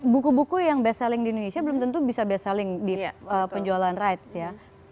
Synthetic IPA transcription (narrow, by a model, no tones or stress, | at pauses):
bukubukujaŋbeasalɪŋdiindonesiabəlʊmt̪ənt̪ubisabeasalɪŋdiəppəɲd͡ʒualaanrajt̪sja